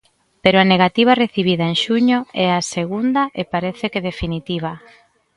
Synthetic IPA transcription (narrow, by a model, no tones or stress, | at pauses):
peɾoaneɣat̪iβ̞areθiβ̞iðaeŋʃuɲoɛaseɣund̪ɐʔepaɾɛθekeðefinit̪iβ̞a